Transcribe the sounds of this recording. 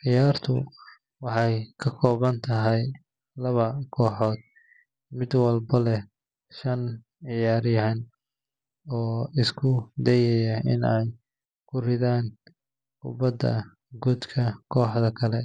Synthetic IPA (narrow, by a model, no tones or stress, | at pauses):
ʕɪjaːrt̪ʰʊ̰ | wɑħɑjkʰɐkʰɔːβɐnt̪ʰɐɦɛj | lɐβɐkʰɔːħɔːd̪̥̚ | mɪd̪wɐlbɐlɛ | ʃɐn | ʕɪjaːɾɪjɦɐn | ɔːɪskʰʊd̪ɛjɛjɐɪ̰nɛj | kʰʊrɪðaːn | kʊ̰bɐd̪ɐ̰ | ɡud̪kʰɐkʰɔːħðɐkʰɐlɛ